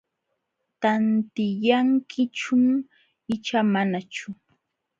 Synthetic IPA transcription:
t̪ant̪ɪjaŋkʰɪt͡ʃʊm | ɪt͡ʃamanat͡ʃʊ

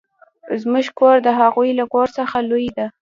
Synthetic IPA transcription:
zmʊʒkoɾd̪əɦaɣujlakoɾsəxalujd̪a

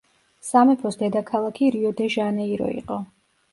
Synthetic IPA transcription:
samɛpʰɔsd̪ɛd̪akʰalˠakʰiɾiɔd̪ɛʒanɛiɾɔ̰ḭqʼɔ

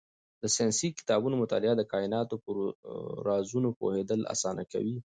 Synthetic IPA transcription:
d̪əsijɑnsikɪ̥t̪ɑbunomʊt̪ɑ̰lɪad̪əkɑɪnɑt̪opəɾɾɑzunopo̰hed̪əla̰sɑna̰ka̰wi

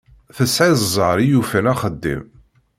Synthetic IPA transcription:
θəsʕizˤzˤəɾijufənæχəd̪ːḭm

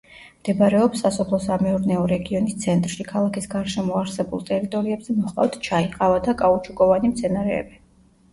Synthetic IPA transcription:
md̪̥ɛbɾɛɔpsasɔpʰlˠɔsamɛuɾnɛɔɾɛɡiɔnist̪sʰɛnt̪ʼɾʃikʰalˠakʰisɡaɾʃɛmɔaɾsɛbṵlˠt̪ʼɛɾit̪ʼɔɾiɛbzɛmɔχqʼa̰ft̪ʰt͡ʃʰaiqʼavad̪akʼaut͡ʃʰukʼɔvanimt̪sʰɛnaɾɛ̰ːbi

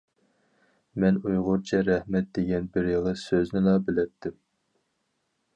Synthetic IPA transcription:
mɛnujʁʊɾt͡ʃʰɛɾɛhmɛt̪̚d̪eɡʲɛnbɪɾjɑʁəsøznɪlɑbɪlɛt̪ʰːɪm

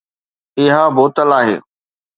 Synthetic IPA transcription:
ɪɦaboːt̪əlaːɦḛː

